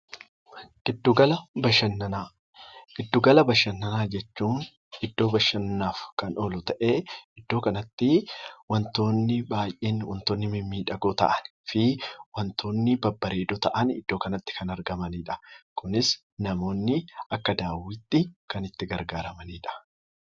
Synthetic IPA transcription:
ʔɪd̪ːʊɡɐlɐbɐʃɐnːɐnaː | ʔɪd̪ːʊɡɐlɐbɐʃɐnːɐnaːd͡ʒɛt͡ʃːuːn | ɪd̪ːo̞ːbɐʃːɐnːaːfkɐnɔlʊt̪ɐʔe̞ːɪd̪ːo̞ːkɐnɐt̪ːɪwɐnt̪o̞ːnːɪbaːjʔeːnwɐnt̪o̞ːnːɪmɪmːiːᶑɐɡoːt̪ɐ̰ʔɐnfɪwɐnt̪ʰo̞ːnːɪbɐbːɐɾe̞ːd̪ɔt̪ɐʔɐnɪ̰d̪̥ːo̞ːkɐnɐt̪ːɪ̥kɐnɐɾɡɐmɐniːᶑɐ̥kʊnɪs | nɐmo̞ːnːɪɐkːɐd̪aːwɪt̪ːɪkɐnɪt̪ːɪɡɐɾɡaːɾɐmɐniːᶑɐ̥

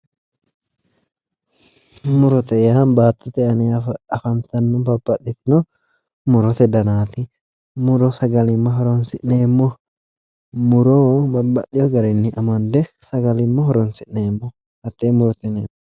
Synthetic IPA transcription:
mʊɾɔt̪ɛjaːnbaːt̪ːɔt̪ɛʔɐneɐfɐnt̪ɐnːɔbɐbːɐᶑːɪt̪ɪnɔ | mʊɾɔt̪ɛd̪ɐnaːt̪ɪ | mʊɾɔsɐɡɐlɪmːɐɦɔɾɔnsɪʔneːmːɔ | mʊɾoːbɐbːɐɗɪjɔɡɐɾɛnːɪʔɐmɐnd̪ɛ | sɐɡɐlɪmːɔɦɔɾɔnsɪʔneːmːɔ | hɐt̪ːeːmʊɾɔt̪ɛneːm

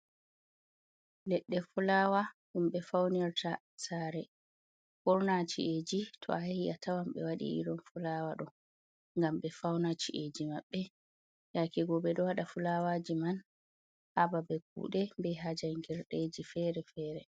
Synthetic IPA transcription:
lɛɗːɛfulaːwaɗumɓɛfawniɾtʰa | saːɾɛ | hɔɾnat͡ʃḭʔed͡ʒitʰɔ̰ahiʔatawamɓɛ̰waɗḭʔḭɾɔnfulawaɗɔ | ŋɡamɓɛfawnat͡ʃḭʔed͡ʒimaɓːɛ | jakɛɡɔbɛɗɔwaɗafulawad͡ʒiman | hababɛk̚ṵɗɛbɛɦad͡ʒajŋɡɛɾɗed͡ʒifɛɾɛfɛːɾɛ

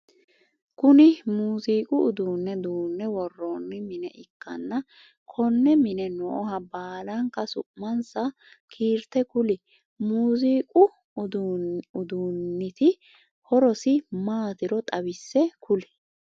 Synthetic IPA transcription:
kʊnɪmuːziːkʼʊʊd̪uːnːɛd̪uːnːɛwɔrːoːnːɪmɪnɛ̰ʔɪkːɐ̰nːɐ | kʰɔnːɛmɪnɛnɔʔɔhɐbaːlɐŋkːɐsʊ̰ʔmɐnsɐ | kʰiːɾt̪ɛkʊlɪ | muːziːkʼʊ | d̪ʊd̪uːnːɪt̪ɪ | hɔɾɔsɪmaːt̪ɪɾɔt̪ʼɐbɪsːɛkʊlɪ̥

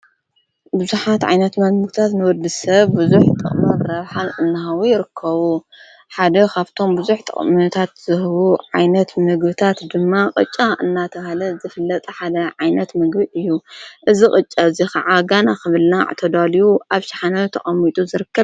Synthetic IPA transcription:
bɨzuħat̪ʕa̰jnɐt̪mɐlmɨɡt̪ʰat̪nɨwɔd̪ɨsɐβːɨzuħt̪ʼɨ̰χʼmɐɾːɐβħalʔɨnːɨɦawujɪɾɨkʰːɐβu | ħad̪ɐkʰaβt̪ʰo̞mbɨzuħt̪ʼɨ̰χʼmɨt̪ʰat̪z̥ɨhɨβuʕajnɐt̪mɨɡbɨt̪ʰat̪d̪ɨmːaqʼɨ̰t͡ʃʼːaʔɨnːat̪ʰɐβahlɐzɨfɨlːɐt̪ʼɐħad̪ɐʕajnɐt̪mɨɡbiʔɨjːuʔɨzikʼɨt͡ʃʼːaɨzixɐʕaɡanakɨβɨlnaʕ̰t̪ʰod̪alijuʔaβʃḁħanawt̪ʰɐχʼɐmːit̪ʼuzɨɾɨkːɐβ

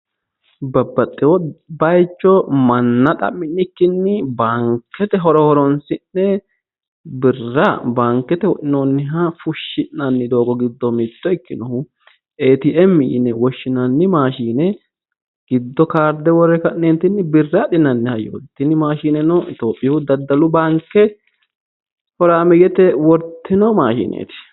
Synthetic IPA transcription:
bɐbːɐt̪ʼːɪwɔbɐjt͡ʃːɔmɐnːɐt̪ʼɐ̰mːɪnːɪkːɪnːɪbaŋkːɛt̪ɛɦɔɾɔhɔɾɔnsɪnːɛ | bɪrːɐbaŋkːɛt̪ɛwʔɪnonːɪɦɐfʊʃːɪnːɐnːɪd̪o̞ːɡɔɡɪd̪ːɔmɪt̪ːɔɪkːɪnɔhʊ | ʔeːt̪ɪʔɛmːɪjɪnɛwɔʃːɪnɐnːɪmaːʃiːnɛ | ɡ̥ɪd̪ːɔkaːɾd̪ɛwɔrːɛkɐnːeːnt̪ɪnːɪbɪrːaɗɪnɐnːɪhɐjo̰ːt̪ːɪnɪmaːʃiːnɛnɔɪ̰t̪oːpʼːɪjʊd̪ɐd̪ːɐlʊbaŋkːɛ | hɔɾaːmɛɡɛt̪ɛwɔɾt̪ʰːɪnɔmaːʃḭːnʔḛːt̪ɪ̥

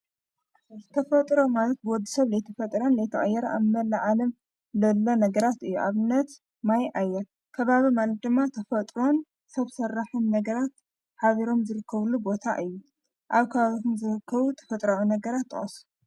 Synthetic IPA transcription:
zɨt̪ʰɐfɐt̪ʼɾo̞malɐt̪̚bwɔd̪isɐβlɐjt̪ʰɐfɐt̪ʼɾɐnlɐjt̪ʰɐʔʼɐjːɛɾɐʔaβmɐlːaʕalɐm | lɐlːo̞nɐɡɐɾat̪ɨjːuʔaβɨnːɐt̪ | majʔajːɛɾ | kʰɐβaβimalɐt̪̚d̪ɨmːat̪ʰɐfɐt̪ʼɾo̞n | sɐβsɐrːaħɨnːɐɡɐɾat̪ | ħaβiɾo̞mzɨɾɨkʰːɐβlubo̞t̪ʰa̰ʔɨjːu | ʔaβkʰɐβaβit̪ʰumzɨɾɨkʰːɐβut̪ʰɐ̥fɐt̪ʼɾaʕinɐɡɐɾat̪ʰːɨ̰χʼɐsu̥

